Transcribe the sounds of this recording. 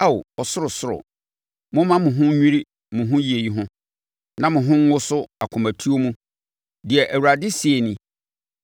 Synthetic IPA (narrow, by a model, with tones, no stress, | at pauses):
a˦wɔ˨sʊ˦ɾʊ˨sʊ˦ɾʊ̰˨ | mʊ̃˦mã˦mʊ̃˨ɦʊ̃˦ɲᶣĩ˦ɾi˦ | mʊ̃˨ɦʊ̃˦ji˨e˨ji˦ɦʊ̃˦ | nã˦mʊ̃˨ɦʊ̃˦ŋ̩ː˦ʊ˦sʊ˦a˨kʰʊ̃˨mæ˨tʰu˦o˦mũ˦ | dɪ˨ɛ˨ʔæ˨wu˨ɾa˨dɪ˦si˨e˨nĩ˦